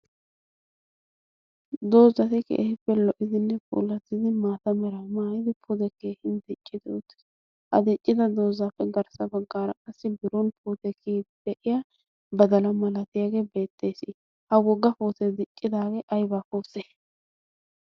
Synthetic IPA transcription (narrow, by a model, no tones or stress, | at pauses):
d̪o̞ːzɐt̪ɪkḛːhɪpːɛlɔʔɪd̪ɪnːɛpṵːlɐt̪ːɪd̪ɪmaːt̪ɐmɛɾamaːjɪd̪ɪpʰʊd̪ɛkeːhɪnd̪ɛt͡ʃʼːɪd̪ɛɔt̪ːɪ̥sɪ̥ | hɐ̰d̪ɛt͡ʃʼːɪd̪ɐd̪o̞ːzaːfːɛɡɐɾsɐbɐɡːaːɾɐkʼɐsːɪbɪɾɔnpʰuːt̪ɛkʰiːd̪̥ɛʔɪja | bɐd̪ɐlɐmɐlɐt̪ɪjaɡe̞ːbe̞ːt̪ʼːe̞ːsɪ | hɐwɔɡːɐfoːt̪ɛd̪ɪt͡ʃʼːɪd̪aːɡeːʔɐjbaːkoːseː